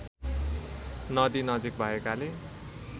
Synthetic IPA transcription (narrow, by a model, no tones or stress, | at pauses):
nʌd̪inʌd͡zik̚bʱʌekale